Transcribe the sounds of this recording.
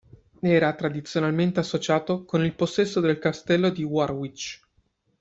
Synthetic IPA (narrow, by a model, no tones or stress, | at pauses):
ɛːɾat̪ɾad̪it̪sjonalment̪easːot͡ʃaːt̪okonilposːɛsːod̪elkast̪ɛlːod̪iwarwit͡ʃ